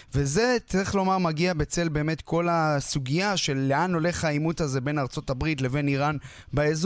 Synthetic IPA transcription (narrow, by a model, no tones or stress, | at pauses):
veze̞t͡sʁiχlo̞maʁmaɡiabet͡se̞lbe̞ːme̞tkʰo̞lasuɡijaʃe̞lːeanole̞χajimutazebe̞naʁt͡so̞tabʁitle̞ve̞niʁan | baez